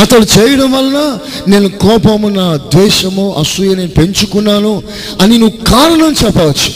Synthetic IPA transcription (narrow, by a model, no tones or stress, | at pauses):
ɐt̪ɐlut͡ʃɛːjɐɽɐmʋɐlnaːne̞ːnukɔːpɐmunaːd̪ʋɛːʃɐmuʔɐsujɐneːnupe̞ɲt͡ʃukunːaːnu | ɐninuʋukaːɾɐɳɐmt͡ʃɛpːɐʋɐt͡ʃːu̥